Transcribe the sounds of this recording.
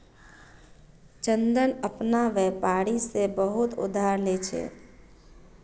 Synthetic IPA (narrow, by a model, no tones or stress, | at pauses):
t͡ʃənd̪ənəpnaʋɛpaɾisebəɦut̪ṵd̪ʱaɾlet͡ʃʰɛ̰